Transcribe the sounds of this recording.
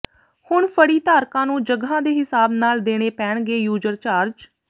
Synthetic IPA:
hʊɳpʰəɽiːt̪aːɾkãːnũːd͡ʒəɡɦãːd̪eːɦɪsaːbnaːld̪eːɽ̃eːpɛːɳɡeːjuːd͡ʒəɾt͡ʃaːɾd͡ʒ

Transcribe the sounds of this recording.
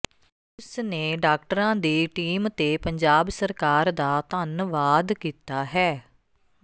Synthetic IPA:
ɪsneːɖaːk̚ʈəɾãːd̪iːʈiːmt̪eːpəɲd͡ʒaːbsəɾkaːɾd̪aːt̪ənʋaːd̪kiːt̪aːɦɛː

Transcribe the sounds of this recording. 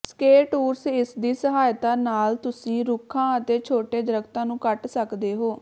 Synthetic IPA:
skeːʈuːɾsɪsd̪iːsəɦaːjt̪ãːnaːlt̪ʊsĩːɾʊkʰːãːət̪eːt͡ʃʰoːʈeːd̪əɾəɡt̪ãːnũːkəʈsəkd̪eːɦoː

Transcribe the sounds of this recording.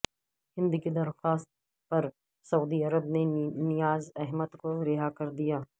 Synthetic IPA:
hɪ̃nd̪ɪɡid̪ɐɾxaːst̪̚ | pɐɾ | sɐuːd̪iɐɾəbnenɪjaːzɛɦmət̪koɾɪɦakɐɾd̪ijaː

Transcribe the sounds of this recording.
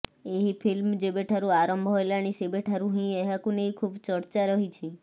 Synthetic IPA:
eɦipʰilmd͡ʒebeʈʰaɾũaɾəmbʱoelaɽ̃isebeʈʰaɾũɦĩeɦakunejkʰubt͡ʃəɾt͡ʃaɾəɦit͡ʃʰi

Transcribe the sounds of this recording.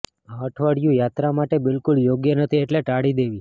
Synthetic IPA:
aəʈʰʋaɽjũjat̪ɾamaʈebɪlkʊljoɡjənət̪ʰieʈleʈaɽid̪eʋi

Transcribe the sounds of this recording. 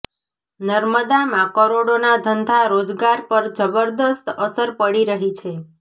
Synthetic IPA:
nəɾməd̪amãkəɾoɽonad̪ʱənd̪ʱaɾod͡ʒɡaɾpəɾd͡ʒəbəɾd̪əst̪əsəɾpəɽiɾəɦit͡ʃʰe

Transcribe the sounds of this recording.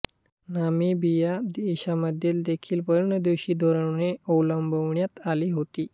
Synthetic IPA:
namiːbijaiɕaməd̪ʱjeld̪ekʰiːlʋəɾənəd̪ewɕiːd̪ʱoɾəɳneəwləmbʱəʋɳjat̪aliːɦot̪iː

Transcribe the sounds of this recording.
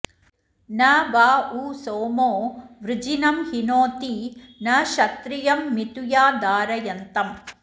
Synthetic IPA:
nɐbaːuːsoːmoːʋɾɪd͡ʒinɐmhinoːt̪inɐʃɐt̪ɾijɐmːit̪ujaːd̪aːɾɐjɐnt̪ɐm

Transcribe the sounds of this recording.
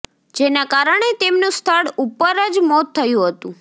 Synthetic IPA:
d͡ʒenakaɾəɳ̃et̪emnũst̪ʰəɽupəɾəd͡ʒmɔt̪ʰːəjũɦət̪ũ

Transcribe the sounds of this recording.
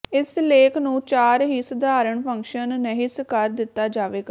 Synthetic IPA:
ɪsleːkʰnũːt͡ʃaːɾɦiːsəd̪aːɾəɳpʰəŋkʃənːəɦiːsəkaːɾd̪ɪt̪ːaːd͡ʒaːʋeːɡaː

